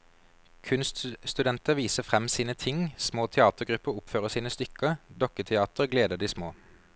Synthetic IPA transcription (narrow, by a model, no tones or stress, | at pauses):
kʰʉnst̪st̪ʉd̪ɛnt̪əʋiːsəfʁɛmsiːnət̪ʰɪŋsmoːt̪ʰɛɑːt̪əʁɡʁʉpəʁʊpføːʁəsiːnəst̪ʏkəd̪ɔkət̪ʰɛɑːt̪əʁɡleːd̪əd̪iːsmoː